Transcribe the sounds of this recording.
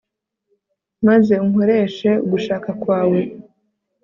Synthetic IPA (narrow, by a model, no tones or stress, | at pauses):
maze̞uŋoɾe̞ʃe̞uɡuʃaːkakwaːwe̞